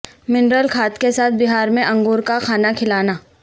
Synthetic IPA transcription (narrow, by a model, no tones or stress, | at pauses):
mɪnɾəlkʰaːt̪kesaːt̪̚ʰbɪɦaːɾmẽʔɐ̃ŋɡoːɾkaxaːnakʰɪlaːnaː